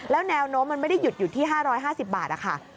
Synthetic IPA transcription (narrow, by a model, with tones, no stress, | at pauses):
lɛː˦˥wnɛː˧wnoː˦˥mːa˧nma˥˩jda˥˩ju˨˩t̪̚juː˨˩t̪ʰiː˥˩ɦaː˥˩ɾɔː˦˥jɦaː˥˩si˨˩p̚ba̰ː˨˩t̪̚ʔa̰˨˩kʰa̰˥˩